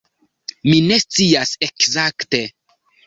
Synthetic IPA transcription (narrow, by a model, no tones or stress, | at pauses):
mine̞st͡siase̞kzakte̞